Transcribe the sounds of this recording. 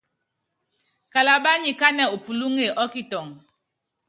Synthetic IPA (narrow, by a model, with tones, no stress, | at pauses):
ka˨la˨ɓa˦ɲi˨ka˦nɛ˨u˨pu˨lu˦ŋe˨ʔɔ˦ki˦tɔ˨ŋ